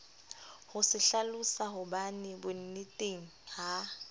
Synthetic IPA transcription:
hʊsɪɬalʊsaɦʊbanɪbʊn̩nɪtʼeŋ̩ha

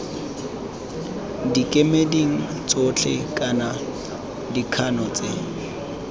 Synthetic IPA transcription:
dikʼemediŋ̩t͡sʼot͡ɬʰɛkʼana | dikʰanɔt͡sʼe

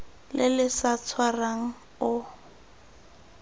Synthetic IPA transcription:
lɪlɪsat͡sʰwaraŋ̩ | ʊ

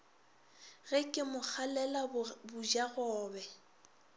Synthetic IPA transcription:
ɣɛkʼɪmʊk͡xʰalɛlabʊd͡ʒaɣɔːbɛ

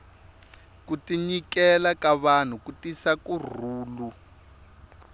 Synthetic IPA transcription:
kutiɲikɛlakaβan̤ukutisakur̤uːlu

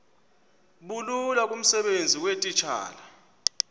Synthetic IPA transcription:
ɓululak̬ʼum̩sɛɓend͡zʱiwetʼit͡ʃʰa̰ːla

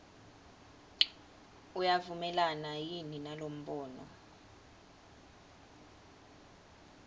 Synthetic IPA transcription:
ujavumɛlanajininalom̩ɓɔːnɔ̰

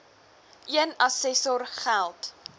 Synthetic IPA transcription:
ʔiənɐsɛsɔrχælˠt

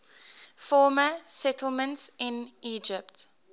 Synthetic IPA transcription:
fɔːməsɛtl̩ˠmə̃ntsɪ̃niːd͡ʒɪpt

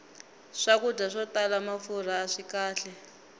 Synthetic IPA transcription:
ʂakudaʂɔtalamafur̤aːʂikaːɬɛ

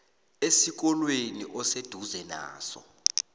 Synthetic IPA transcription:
esik̬ɔlweniʔɔsed̥ʱuzɛna̰ːsɔ̰

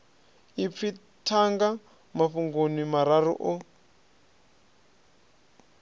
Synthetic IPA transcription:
ip̪fi | tʰaŋɡa | maɸuŋɡonimaɾaɾṵʔɔ

